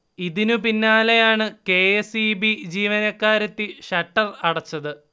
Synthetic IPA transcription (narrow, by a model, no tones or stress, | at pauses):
iðinupinːaːlejaːɳɨke̞ːesibid͡ʑiːʋɐnɐkːaːɾɐt̪ːiɕɐʈːɐlɐɽɐt͡ɕːɐðɨ